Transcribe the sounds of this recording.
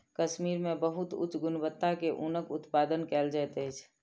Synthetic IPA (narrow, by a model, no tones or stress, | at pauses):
kəʃmiːɾmẽbəɦʊt̪ʊ̰t͡ʃːɡʊnbət̪ːakeʔunəkʊt̪paːd̪ənkɛːld͡ʒaɛt̪ɛt͡ʃʰ